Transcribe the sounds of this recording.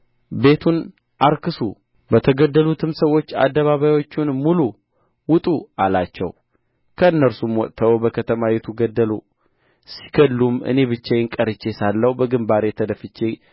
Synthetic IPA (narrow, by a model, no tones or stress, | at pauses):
be̞t̪ʰun | ʔaɾkʰɨsṵ | bət̪ʰəɡəd̪ːəlut̪ʰɨmsəwːo̞t͡ʃːa̰d̪ːəβaβajwo̞t͡ʃːunmulu | wʊt̪ʼualat͡ʃːɛ̰w | kʰəɨnːəɾsumwɔʔ̪ʼt̪ʰəwobəkʰət̪ʰəmajet̪ʰuɡəd̪ːəlu | si̥ɡəlːumɨ̰ne̞βɨt͡ʃːajɪŋkʼəɾɨt͡ʃːe̞salːəhbəɡɨmbaɾet̪ʰəd̪əfɨt͡ʃːe